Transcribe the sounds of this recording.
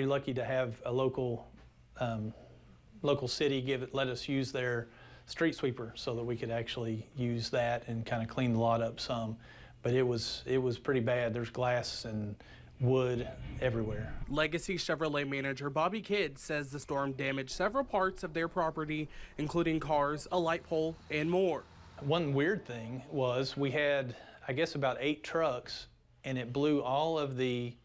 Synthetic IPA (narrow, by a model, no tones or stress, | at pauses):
ɹilʌkiɾɨːvəloʊkl̩ˠ | m | loʊkl̩ˠsɪɾiɡɪvɨtlɛɾʌsjʉzðə˞ | stɹ̥itswipə˞soʊðət̚wikʰɨɾæk̚t͡ʃul̩ˠijʉzðɨɾɨ̃nkʰãɪ̃ndɨkʰl̥ĩnðəlɔɾʌpsʌ̃m | b̥ʌɾɪt̚wʌz̥ɪt̚wʌz̥pʰɹ̥ɪɾibæd̪̚ðə˞zɡlæsɨ̃n | wʊɾɛvɹiwɛɹlɛɡɨsiʃɛvə˞leɪmæñɨd͡ʒə˞bɑbikʰɪdsɛzðɨstɔɹmdæmɨd̥ʒ̥sɛvɹl̩ˠpʰɑɹtsʌvðə˞pʰɹ̥ɑpə˞ɾiɨ̃nkʰl̥uɾɪ̃ŋkʰɑɹzəlaɪt̚pʰoʊlˠɨ̃nmɔɹ | wʌ̃nwɪɹd̪̚θɪ̃ŋwʌzwiɨdaɪɡɛsəbaʊɾeɪtʰɹ̥ʌks | ɨ̃nɨt̚b̥lʉɔlˠʌvðɨ